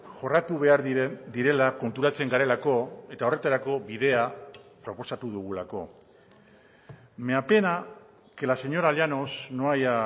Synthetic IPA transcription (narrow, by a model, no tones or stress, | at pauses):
ʝo̞rat̪uβe̞aɾd̪iɾe̞lako̞nt̪uɾat͡se̞ŋɡaɾe̞lako̞e̞t̪ao̞re̞t̪aɾako̞βiðe̞apɾo̞po̞sat̪uðuɣ̞ulako̞ | meape̞na | ke̞lase̞ɲo̞ɾaljano̞sno̞aja